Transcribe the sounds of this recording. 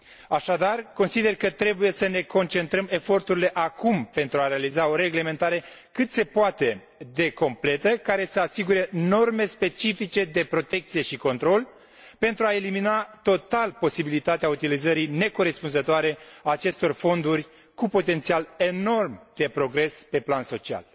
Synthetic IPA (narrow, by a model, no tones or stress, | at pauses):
aʃad̪arko̞nsid̪e̞rkət̪ɾe̞buje̞səne̞ko̞nt͡ʃe̞nt̪ɾəme̞fo̞rt̪uɾile̞ʔakumpe̞nt̪ɾuaɾealizao̞ɾe̞ɡle̞me̞nt̪aɾe̞ | kɨt̪se̞poat̪e̞ | d̪e̞ko̞mple̞t̪əkaɾe̞səasiɡuɾe̞no̞rme̞spe̞t͡ʃifit͡ʃe̞d̪e̞pɾo̞t̪e̞k̚t̪sije̞ʃiko̞nt̪ɾo̞l | pe̞nt̪ɾuae̞liminat̪o̞t̪alpo̞sibilit̪at̪eaut̪ilizəɾijne̞koɾe̞spunzət̪oaɾe̞aːt͡ʃe̞st̪o̞rfo̞nd̪urʲ | kupo̞t̪e̞nt̪siale̞no̞rmd̪̥e̞pɾo̞ɡɾe̞spe̞planso̞t͡ʃia̰l